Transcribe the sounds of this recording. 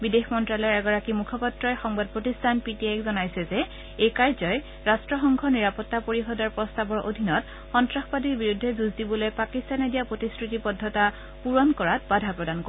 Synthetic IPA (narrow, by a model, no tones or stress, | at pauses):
bidexmɔntɹalɔɹɛɡɔɹakimukʰɔpatɹɔjxɔŋbad̚potistʰanpitiajkzɔnajsɛzɛ | ekajzɔj | ɹastɹɔxɔŋɡʱɔniɹapɔtːapoɹixɔdaɹpɹɔstabɔɹʔo̰dʱinɔt | xɔntɹaxbadiɹbiɹudʱːɛduzdibɔlojpakistanedijapɹotiskɹitipɔdʱːɔta | puɹɔnkɔɹat̚badʱapɹɔdanko